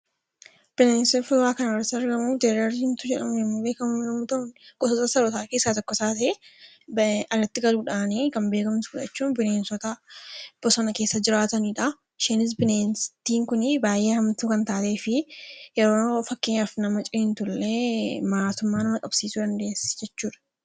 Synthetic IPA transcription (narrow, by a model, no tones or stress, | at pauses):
b̥ɪneːnsɔfʊwaːkɐnɐɾsɪɐɾɡɐmuːfd̪ɛɾɐɾɪnt̪ʊd͡ʒɛᶑɐmɛmːube̞ːkɐmuːnnːɐmʊt̪ɐʔʊnɡ̥ɔsɔt̪ɐsɐɾɔt̪aːke̞ːsːat̪ɔkːɔsaːt̪ɐʔe | bɐrːɐt̪ːɪɡɐluːᶑaːniːkɐmbe̞ːkɐmt̪ʊfʊᶑɐt͡ʃːuːnbɪneːnsɔt̪ɐb̥ɔsɔnɐke̞ːsːɐd͡ʒɪɾaːt̪ɐniːᶑɐ | ʃeːnɪs̬bɪneːnst̪iːŋkʊnɪbaːjʔeːhɐmt̪ukɐnt̪aːt̪e̞ːfɪjɛɾoːfɐkːɪɲːafnɐmɐt͡ʃʼɪɪnt̪ʊlːemaːt̪ʊmːaːnɐmɐkʼɐb̥siːsud̪ɐnd̪e̞ːsɛ̥d͡ʒɛt͡ʃːuːᶑɐ̥